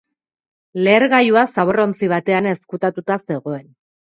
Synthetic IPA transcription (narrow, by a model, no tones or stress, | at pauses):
le̞ːɾɣajuasaβoro̞nt͡siβ̞at̪e̞ane̞skut̪at̪ut̪ase̞ɣ̞o̞e̞n